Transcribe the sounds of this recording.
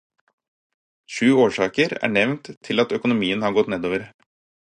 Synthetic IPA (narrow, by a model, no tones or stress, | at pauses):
ʃʉːoːʂɑːkəɾæ̰ːɳɛʋnt̪ʰːɪlɑt̪œkʊnʊmiːənhɑɾɡɔt̪ːneːd̪oːʋəɾ